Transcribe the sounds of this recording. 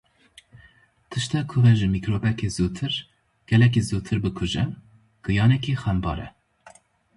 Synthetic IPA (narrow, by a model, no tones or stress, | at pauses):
t̪ʰɨʃt̪ɑkʰʊvɛʒɨmiːkɾoːbɛkeːzuːt̪ʰɨɾ | ɡ̥ɛlɛk̬izuːt̪ʰɨɾbɨkʰʊʒɛ | ɡ̥ɨjɑːnɛkixɛmbɑ̰ːɾɛ̰